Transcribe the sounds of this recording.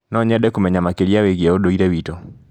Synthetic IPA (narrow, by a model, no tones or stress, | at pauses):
nɔɲɛdɛkumɛɲamakeɾjaweɡeodoiɾawito